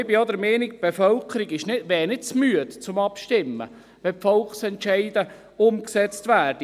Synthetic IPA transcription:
biɔd̪əɾmɛːnikb̥efœlkʰəɾiɡɪʃnɪdʋɛːnɪt͡smyət̪t͡sʊmɑpʃtɪmːə̰ | ʋɛpfɔlχsɛntʃɛɪd̥̪ə | ʊmksɛt͡st̪ʋæːrd̥i

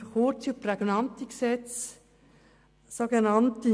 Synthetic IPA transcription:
hoːtuprɛɡnɑnt̪iɡəsɛt͡s | soɡənɑnti

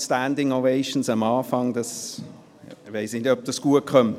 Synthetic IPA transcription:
stændɪŋoʋeɪʃn̩sɑmɑːfɑŋd̥ɑs | ʋeɪsnɪtœp̚d̥ɑsɡ̥uəkʰχœmt

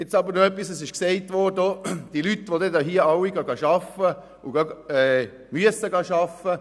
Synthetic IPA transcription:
ɛt͡sɑbəɾnoɛpːisɛsɪʃksɛɪtʋɔɾdod̥ilytːʋodɛdɑɦiəɑwiɡɑɡɑʃɑfə | uɡɑɛː | myəsəɡɑʃɑfə

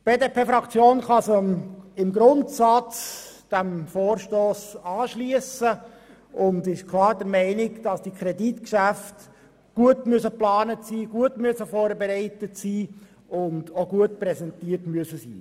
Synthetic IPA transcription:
b̥eːdepʰeːfɾɑkt͡sjoːnχɑsəmɪmɡɾʊntsɑt͡sd̥æmfoːrʃtoːsɑːʃliəsə | ʊndɪʃkʰlˠɑːɾdəɾmɛɪnɪɡd̥ɑsd̥ikʰɾɛditkʃæft | ɡ̥uətmyəsəplɑːnətsiːɡ̥uətmyəsəfɔːɾbɛɾɛɪtətsiː | ʊndoɡuətpɾɛsɛntiːərtmyəsəsḭː

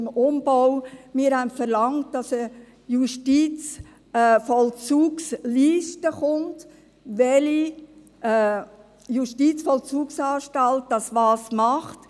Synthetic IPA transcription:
mʊmb̥ɔwmɪːɾhɛmfəɾlɑŋt̚d̥ɑsə | juʃtiːt͡s | fɔlt͡suːksliːʃtəχʊnt | ʋɛli | juʃtit͡sfɔlt͡suːksɑːʃtɑlt̚d̥ɑsʋɑːsmɑχt

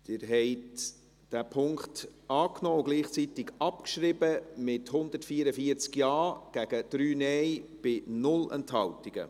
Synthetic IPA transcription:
d̪̥ɪːɾɦɛɪt | d̥æːpʰʊŋktɑːknɔːʊɡliːχt͡sitɪɡɑpkʃɾɪbəmɪthʊnd̥̪ətfiːəɾəfiəɾt͡skjɑːɡ̥æɡ̥əd̥ɾyːnɛjb̥ɪnʊlɛ̰nthɑltiɡ̥ə̰

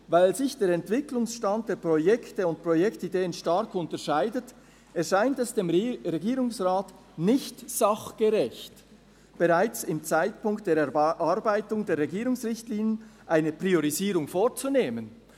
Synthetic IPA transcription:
vaɪlzɪçd̥eːɾɛntv̥ɪklʊŋsʃtant̚d̥eːɾpʁ̥ojɛktəʊnt̚pʁ̥ojɛktideːənʃtaɾkʊntəʃaɪdət | ɛsʃaɪntɛsd̥eːmʁɛɡiːɾʊŋsʁaːt | nɪçtz̥aχɡ̥əʁɛçt | b̥eʁaɪt͡sɪmt͡saɪtpʊŋkt̚d̥eːɐɾɛʔaɾbaɪtʊŋdeːɐɾʁɛɡiːɾʊŋsʁɪçtliːnjənʔaɪnəpʁ̥ioɾiziːɾʊŋfoːɾt͡suneːmən

